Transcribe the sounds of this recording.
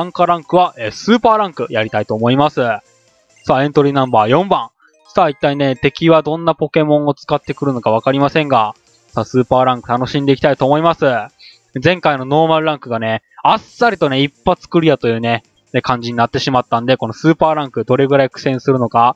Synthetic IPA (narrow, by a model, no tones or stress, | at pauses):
ŋkaɾãŋkɯ̟βaʔeːsɨːpaːɾãŋkɯ̟jaɾʲit̪ait̪oːmo̞imasɨ | saːẽ̞nt̪o̞ɾʲiːnãmbaːjõ̞mbãŋ | sait̪ːaine̞t̪e̞kʲiβad̪õ̞nːapo̞ke̞mõ̞ŋo̞t͡sɨ̥kat̪ːe̞kɯ̟ɾɯ̟no̞kaβ̞akaɾʲimasẽ̞ŋɡa | saːsɨːpaːɾãŋkɯ̟t̪ano̞ɕĩnd̪e̞ikʲit̪ait̪oːmo̞imasɨ | d͡zẽ̞ŋkaino̞no̞ːmaɾɯ̟ɾãŋkɯ̟ɡane̞ | asːaɾʲit̪o̞ne̞ipːat͡sɨ̥kɯ̟ɾʲijat̪o̞jɯ̟ːne̞ | nekãɲ̟d͡ʑiɲ̟inat̪ːe̞ɕimat̪ːãnd̪e̞ko̞no̞sɨːpaːɾãŋkɯ̟d̪o̞ɾe̞ɡɯ̟ɾaikɯ̟̥sẽ̞sɨɾɯ̟no̞ka